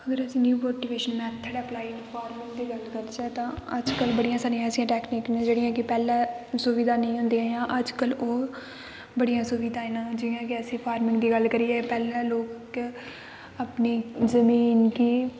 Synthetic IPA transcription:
əɡəɾəsĩːnjuːmoːʈiːʋeːʃənmɛ̃ːt̪ʰːəɽɛːəplaːinpʰaːɾmɪ̃ŋɡd̪iːɡəlkəɾd͡ʒɛːt̪ãːəd͡ʒkəlbəɽijãːsaːɾĩjãːsijãːʈɛːkniːknẽːd͡ʒeːɽɪjãːkɪpɛːlɛ̃ːsʊʋiːd̪aːnəĩːɦʊ̃nd̪iãːjãːʔəd͡ʒkəloː | bəɽijãːsʊʋiːd̪aːeːnãːd͡ʒɪjãːkɪəsĩːpʰaːɾmɪ̃ŋɡd̪iːɡəlkəɾiːɛːpɛːlɛ̃ːloːkk | apniːzəmiːnkiː

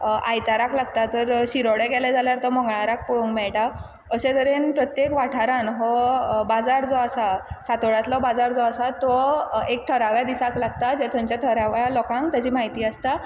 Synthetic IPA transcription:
a̰jt̪aɾaklaɡt̪at̪əɾɕiɾoɽɛɡɛlɛd͡zaljaɾt̪ɔmɔŋɡɭaɾak̚puɽuŋkmɛɭʈa | əsẽt̪əɾenpɾət̪jekʋaʈʰaɾanɦɔbad͡zaɾd͡zɔasasat̪oɽat̪lɔbad͡zaɾd͡zɔasat̪ɔek̚ʈʰəɾaʋjad̪isaklaɡ̚t̪ad͡zɛt̪ʰɔ̃ɲt͡ɕjat̪ʰəɾaʋjalɔkãŋkt̪jad͡ʑiːmaɦit̪iːast̪a

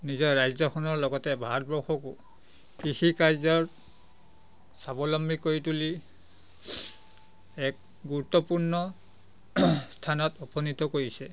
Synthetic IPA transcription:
nizɔɹɹajzɔxʰɔnɔɹlɔɡɔtɛbʱaɔt̚bɔxɔku | kɹixikajzɔɹ | sabɔlɔmbʱikoɹituli | ɛk̚ | ɡuɹutːɔpuɹnɔ | stʰanɔtɔpʰɔnitɔkoɹisɛ

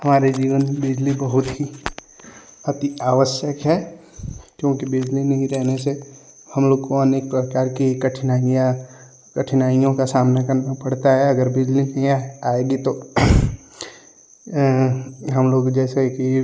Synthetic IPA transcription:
ɦɐmaːɾed͡ʒiːʋənbɪd͡ʒlibɐɦʊt̪ɦi | ɐt̪iaːʋəʃjəkɦɛ | kjõːkibɪd͡ʒlinɐɦĩɾɛɦnese | hɐmloːɡkoənek̚pɾəkaːɾkikɐʈʰnaːja | kɐʈʰnaːijõkasaːmnakɐɾnapɐɽt̪aɦɛɐɡəɾbɪd͡ʒlinɐɦĩaaːɪɖit̪o | ɦɐmloːɡd͡ʒɛːseki

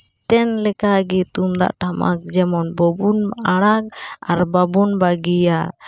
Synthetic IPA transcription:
t̪ɛnlɛkaɡɛt̪umd̪a̰ʔʈama̰k̚d͡ʒɛmɔnbɔbunaɽ̃ak̚a̰ɾbabunbaɡija

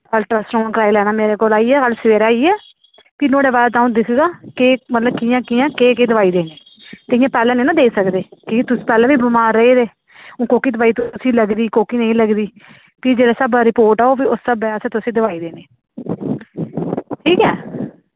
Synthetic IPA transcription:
əlʈɾəsɾõːãkɾaːilɛːnaːmeːɾeːkoːlaːiːɛːkəlsʋeːɾaːiːɛː | piːnoːɽeːbaːd̪t̪aːũːd̪ɪkʰːɡaːkeːmət̪ləbkɪjãːkɪjãːkeːkeːd̪əʋaːiːd̪eːneː | t̪eɪjãːpɛːlɛ̃ːneːnãːd̪eːsəkd̪eːkit̪ʊsĩ̥ːpɛːlɛ̃ːʋiːbəmaːɾːəeːd̪eː | õːkoːkiːd̪əʋaːiːt̪ʊsĩːləɡd̪iːkoːkiːnəĩləɡd̪iː | piːd͡ʒeːɽaːsəbɾɪpoːɾʈaːoːpiːʊsːəbɛəsẽːt̪ʊsĩːd̪əʋaːiːd̪eːneː | ʈʰiːkɛː

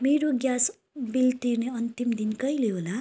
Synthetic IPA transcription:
meɾoɡjas | bilt̪irneʌnt̪imd̪inkʌjleɦola

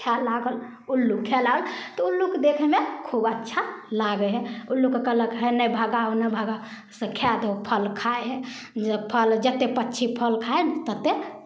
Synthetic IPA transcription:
kʰalaɡəl | ulːukʰɛlaɡəlt̪ɔulːukd̪ekʰɛmekʰubətːʃʰalaɡɛɦɛ̃ulːukekələkɦənəjbʱəɡaonəbʱəɡa | səkʰjat̪pʰəlkʰaeɦɛ | d͡ʒpʰəld͡ʒət̪ːepətːt͡ʃʰipʰəlkʰaent̪ət̪ːe

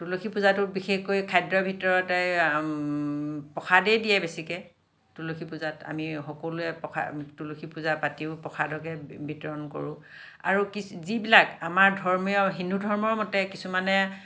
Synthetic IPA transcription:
tuloxʰipuzatʊbixexkojkʰajdɹɔbʱitɔɹɔtɛ | pɔxʰadɛdijɛbesikɛ | tuloxʰipuzata̰mixɔkoluɛpɔkʰa̰tuloxʰipuzapatiʊpɔxʰadɔkɛbʱitɔɹɔnkɔ̰ɹʊ̃ | a̰ɹukizibilakamaɹdʱɔɹmɔjɔɦinudʱɔɹmɔɹmɔtɛkisumanɛ

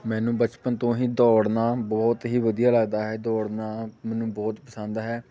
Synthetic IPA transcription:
mɛ̃ːnũːbət͡ʃpənt̪õːɦiːd̪ɔːɽnaːbɔːt̪ɦiːʋəd̪ijaːləɡd̪aːɦɛːd̪ɔːɽnaːmɛːnũːbɔːt̪pəsə̃nd̪ɦɛː

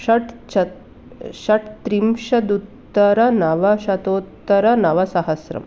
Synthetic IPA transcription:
ɐʈɐ | ɕɐʈt̪ɾimʂɐd̪ut̪ːɐɾɐnɐʋɐɕɐt̪oːt̪ːɐɾɐnɐʋɐsɐɦɐsɾɐ̰m

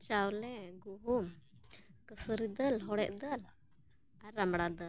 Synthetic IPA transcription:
t͡ʃawlɛɡuɦum | kəsəɾid̪əlɦɔɽɛʔ̚d̪əl | aɾamɽad̪əl

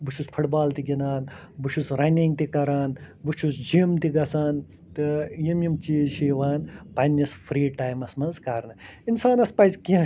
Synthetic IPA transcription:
but͡ʃʰuspʰɐʈbaːlt̪iɡʲinaːnbuʃʰusɾɐnʲiŋɡ̚t̪ikɐɾaːnbut͡ʃʰusd͡ʒimt̪iɡɐsaːn | t̪ɨjimjimt͡ʃiːʃiʋaːnpɐnʲːɐsfʰɾiːʈaːjmɐsmɐnzkɐɾnɨinsaːnɐspɐzʲkiã

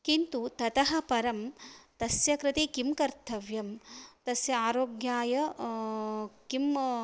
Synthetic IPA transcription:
kint̪ut̪ɐt̪ɐɦɐ̆pɐɾɐmt̪ɐsjɐkɾɪt̪ikimkɐɾt̪ʰɐʋjɐmt̪ɐsjɐaːɾoːɡjaːjɐ | kim

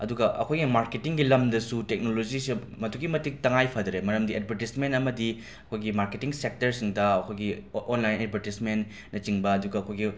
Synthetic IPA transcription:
ɐduɡɐʔɐ̰kʰojɡimaɾketiŋɡilɐmdɐsutek̚nolod͡ʒisi | mɐtʰuɡimɐtik̚tɐŋajpʰɐdɐɾemɐɾɐmdiʔed̚bʱɐɾtismentɐmɐdi | ɐkʰojɡimaɾketiŋsek̚tɐɾsiŋdɐɐkʰojɡionlajnedbʱɐɾtismen | nːɐt͡ʃiŋbɐɐduɡɐːkʰojɡi

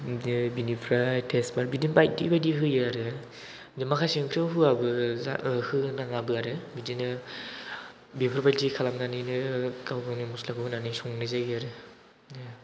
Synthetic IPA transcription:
binipʰɾajtʰesbaɾbidinpaj̚dḭbajdiɦɯjaɾɯ | dɯmakʰasiŋkʰɾɯɦɯabɯza̰hɯnaŋabɯaɾɯbidinɯ | bipʰɾapʰajltikʰalamnanɯjnɯkawɡawnimuslakʰɯbɯnanɯjsuŋnɯzaɡiaɾɯ

